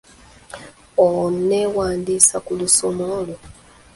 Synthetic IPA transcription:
onewaːndiːsakulusomo̞lo

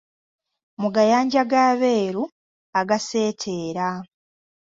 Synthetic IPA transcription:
muɡajaːɲɟaɡaːβeːɾu | aɡase̞ːtʰeːɾa

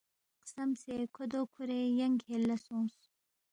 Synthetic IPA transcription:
qsɐmsekʰod̪okʰuɾejɐŋɡhelɐsõːs

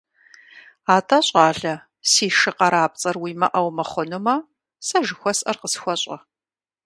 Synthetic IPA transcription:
aːtʰɐɕʼɑːɮɐ | siːʃɨqɐɾaːp̚t͡sʼɐrwiːmɐʔɐwmɐχʷɔnɨmɐ | sɐʒɨxʷɔsʔɐrqəsxʷɔɕʼɐ

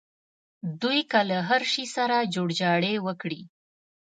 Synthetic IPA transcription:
d̪ujkalaɦaɾʃisaɾad͡ʒoɽd͡ʒɑɽewəkɽi

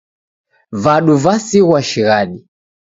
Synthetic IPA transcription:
vaɗuvasiɣwaʃiɣaɗi

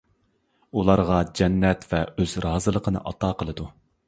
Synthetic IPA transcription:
ulˠɑɾʁɑd͡ʒɛnːɛt̪vɛøz̥ɾɑːzɨlˠəqʰənɨ̰ʔɑt̪ʰɑːqəlˠɨd̪u

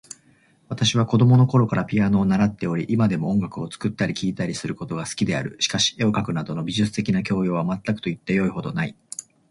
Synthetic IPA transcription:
β̞at̪aɕiβ̞ako̞d̪o̞mo̞no̞ko̞ɾo̞kaɾapʲiano̞ːnaɾat̪ːe̞o̞ɾʲiʔimad̪e̞mo̞õ̞ŋɡakɯ̟o̞t͡sɨ̥kɯ̟t̪ːaɾʲikʲiːt̪aɾʲisɨɾɯ̟ko̞t̪o̞ɡasɨ̥kʲid̪e̞a̰ɾɯ̟ɕi̥kaɕi̥e̞o̞kakɯ̟nad̪o̞no̞bʲiʑɨt͡sɨ̥t̪e̞kʲinak̬ʲo̞ːjo̞ːβ̞amat̪ːakɯ̟̥t̪o̞it̪ːejo̞iho̞d̪o̞nai

